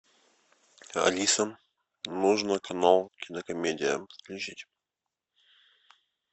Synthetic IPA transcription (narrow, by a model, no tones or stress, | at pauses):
ɐ̰lʲisəm | nuʐnəkʰɐnalˠkʲɪnəkɐmʲedʲɪjəsklʲʉt͡ɕitʲ